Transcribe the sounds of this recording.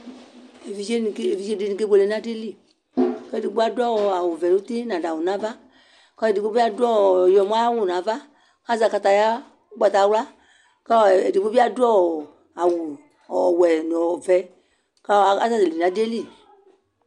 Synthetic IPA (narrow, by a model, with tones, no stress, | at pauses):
e˨vi˨˧ʃe˦nĩ˧˨ke˦e˨vi˧ʃe˦de˧nĩ˧ke˦bo˧le˧n˦ã˦de˦li˦˨ | kɛ˦˨di˨ɡ͡bu˦a˦dɔ˦˨a˨wu˨vɛ˨nu˦ti˦nã˨da˨wu˨nã˨˦va˦ | kɔ˦e˨di˨k͡po˦bi˦a˦dɔ˦˨jɔ˧˨m˦a˦a˦wũ˦˨nã˨˦va˦ | ka˦za˧˨ka˧ta˧ja˦ | ɡ͡ba˨ta˧˨˧wla˦ | ka˦˨e˨di˨k͡po˦bi˦a˦du˦ɔ˦˨ | a˨wu˨ | wɛ˨nɔ̃˨vɛ˨˦ | ka˦˨a˦za˧˨de˨le˨nã˨˦de˦li˦˨